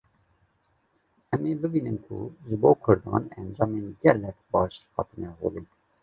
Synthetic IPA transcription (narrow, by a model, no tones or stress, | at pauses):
ɛmeːbɨbiːnɨmkʰṵʒɨboːkʰʊɾd̪ɑ̰ːnɛnd͡ʒɑːmeːnɡɛlːɛkbɑːʃhɑ̰ːt̪ɨnɛɦo̰li